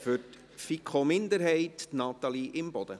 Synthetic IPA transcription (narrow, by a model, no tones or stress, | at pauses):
fʏɾt | fikχomɪnd̪əɾɦɛɪtnɑt̪ɑliʔɪmbɔd̪̥ə